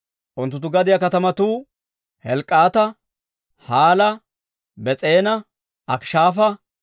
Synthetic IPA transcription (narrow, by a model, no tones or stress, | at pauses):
ʔʊnt̪ːʊt̪ːʊɡɐd̪ɪjɐkɐt̪ɐmɐt̪uː | hɛlkʼːaːt̪ɐ | haːlɐ | bɛt͡sʼeːnɐ | ʔɐkʃaːfɐ